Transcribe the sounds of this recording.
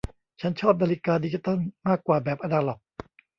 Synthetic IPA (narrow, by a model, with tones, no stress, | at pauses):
t͡ɕʰa˦˥nt͡ɕʰɔː˥˩p̚naː˧li˦˥kaː˧di˧t͡ɕi˦˧t̪ɔ˥˩nmaː˥˩kːwaː˨˩bɛː˨˩p̚ʔa˧ndaː˧lɔ˨˩k̚